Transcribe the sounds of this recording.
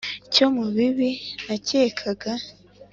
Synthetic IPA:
ico̞muβiβinacekʰaɡa

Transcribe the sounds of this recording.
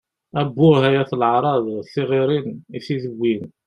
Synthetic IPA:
æbːʊɦæjæθlʕɾˤɑðˤθɪʁiɾiniθiðəwːin

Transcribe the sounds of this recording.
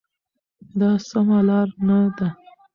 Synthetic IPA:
d̪ɑsamalɑɾnad̪a

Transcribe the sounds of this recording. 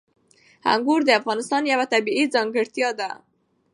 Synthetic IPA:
ha̰ŋɡuɾd̪əafɣɑnɪst̪ɑnjawat̪abiid͡zɑŋɡɪɽt̪jɑd̪a

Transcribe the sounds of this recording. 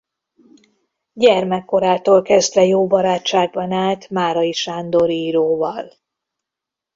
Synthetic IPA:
ɟɛrmɛkːo̞ɾaːt̪oːlkɛzd̪vɛjoːbɒɾaːt͡ʃːaːɡ̚bɒnaːlt̪maːɾɒiʃaːnd̪o̞ɾiːɾoːvɒl

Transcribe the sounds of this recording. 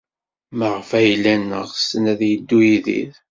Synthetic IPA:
məʁfæjlːænːə̰ʁsənæðjəd̪ːujiðḭð

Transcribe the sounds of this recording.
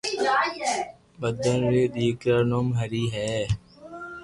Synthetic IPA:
bəd̪ənɾeːd̪iːkɾaːnoːmɦəɾiːɦɛː

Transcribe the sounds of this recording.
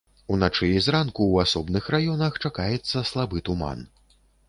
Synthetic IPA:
unat͡ʂɨizrankuwasɔbnɨxrajɔnɐxt͡ʂakajɛt̪sːɐslˠabɨt̪uma̰n

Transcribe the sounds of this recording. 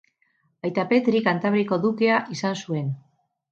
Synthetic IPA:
ajt̪ape̞t̪ɾikant̪aβɾiko̞ðukeaʔisansue̞n

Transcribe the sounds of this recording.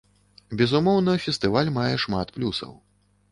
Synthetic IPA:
bʲɛzumɔwnɐfʲɛst̪ɨvalʲmajɛʂma̰t̪plʲusɐ̰w

